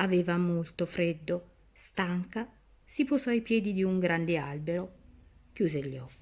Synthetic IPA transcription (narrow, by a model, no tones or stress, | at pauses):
avɛːvamolt̪ofɾed̪ːo | st̪aŋka | sipozɔajpjɛːd̪id̪iuŋɡɾand̪ea̰lbeɾok̟juːzeʎːɔkːi